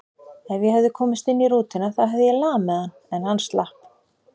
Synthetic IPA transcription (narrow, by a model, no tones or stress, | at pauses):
ɛnvjɛhɛvðʏkʰɔːmɪst̪ɪnːiɾuːt̪ɪnaθaɦɛvðʏjɛlaːmɛðanɛnhanst̪lahp